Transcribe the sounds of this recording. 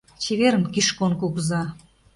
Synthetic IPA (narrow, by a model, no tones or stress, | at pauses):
t͡ɕeβeɾəmkiʃkonkuɣzɑ